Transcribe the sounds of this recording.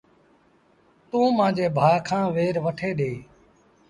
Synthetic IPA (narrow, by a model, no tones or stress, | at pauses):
t̪ũːmãːd͡ʒeːbʱaːkʰãːʋeːɾʋəʈʰeːɗeː